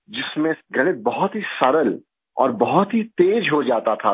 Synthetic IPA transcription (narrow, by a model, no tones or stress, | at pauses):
d͡ʒɪsmẽɡʱɐɽebɐɦʊt̪ɦisɐɾəl | ɔ̰ːɾbɐɦʊt̪ɦit̪eːd͡ʒɦod͡ʒaːt̪at̪ʰa